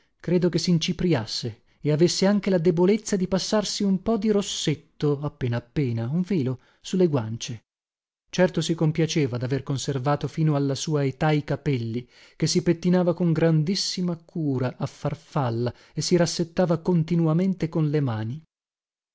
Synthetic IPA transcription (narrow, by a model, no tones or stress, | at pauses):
kɾeːd̪okesint͡ʃipɾjasːe | eavesːeaŋk̟elad̪ebolet̪sːad̪ipasːarsiumpɔd̪iɾosːet̪ːoapːeːnaːpːeːnauɱviːlo | sulːeɡwant͡ʃe | t͡ʃɛrt̪osikompjat͡ʃeːvad̪averkonservaːt̪ofiːnoalːasuːaet̪aikapɛlːi | kesːipet̪ːinaːvakoŋɡɾand̪isːimakʰuːɾaʔːfːarfalːa | esiɾasːet̪ːaːvakont̪inuament̪ekonlemaːni